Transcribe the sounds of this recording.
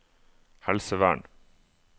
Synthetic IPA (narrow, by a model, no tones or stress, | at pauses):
hɛlsəʋæ̰ːɳ